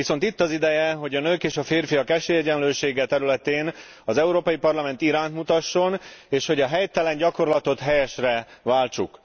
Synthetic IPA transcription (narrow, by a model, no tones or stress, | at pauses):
ʋiso̞nt̪it̪ːɒzid̪ɛjɛɦo̞ɟɒnøːkeːʃɒfeːrfijɒkɛʃeːjɛɟɛnløːʃeːɡɛt̪ɛɾylɛt̪eːn | ɒzɛuɾoːpɒjipɒrlɒmɛnt̪iɾaːnt̪mut̪ɒʃːo̞neːʃho̞ɟɒɦɛjt̪ɛlɛɲɟɒko̞rlɒt̪o̞t̪ɦɛjɛʃrɛvaːlt͡ʃṵk